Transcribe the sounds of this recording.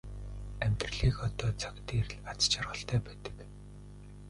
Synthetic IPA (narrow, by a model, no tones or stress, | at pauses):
æm̥ʲt̪rə̆ɮiːkɔt̪ɔːt͡sʰḁkt̪iːrɮat͡st͡ɕʰarʁə̆ɬt̪æːpæːt̪ə̥̆k